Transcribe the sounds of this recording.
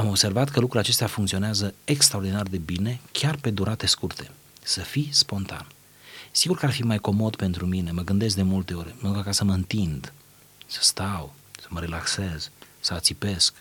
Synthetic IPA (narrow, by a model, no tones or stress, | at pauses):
amo̞bse̞rvat̪kəlukɾulʲat͡ʃe̞st̪eafuŋkt̪sio̞neazəekst̪ɾaord̪inard̪e̞bine̞kʲarpe̞d̪uɾat̪e̞skurt̪e̞ | səfispo̞nt̪a̰n | siɡurkəarfimajko̞mo̞d̪pe̞nt̪ɾumine̞məɡɨnd̪es̬d̪e̞mult̪e̞o̞ɾʲməd̪ukəkasəməɨnt̪ind̪ | sə̥st̪aw | sə̥məɾelakse̞z̥ | səat̪sipe̞sk